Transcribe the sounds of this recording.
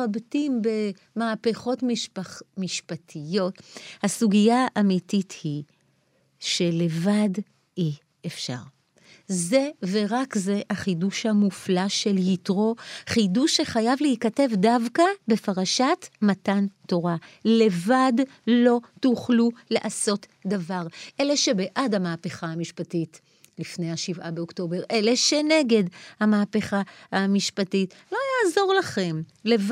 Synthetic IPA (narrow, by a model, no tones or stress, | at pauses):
abtimbe̞ | maːpeχo̞tmmiʃpatʰijo̞thasuɡijaʔamitithi | ʃe̞le̞vad | i | efʃa̰ʁ | ze̞ve̞ʁakze̞haχiduʃhamuflaʃe̞ljitʁo̞χiduʃːe̞χajavlehikate̞vdavkabe̞faʁaʃatmatanto̞ʁale̞vadlo̞tuχluleʔaso̞tdavaʁʔe̞le̞ʃe̞be̞ʔadhamaːpe̞χahamiʃpatit | lifne̞jaʃivabeokto̞be̞ʁʔe̞le̞ʃe̞ne̞ɡe̞dhamaːpe̞χahamiʃpatitlo̞jaːzo̞ʁlaχe̞mlev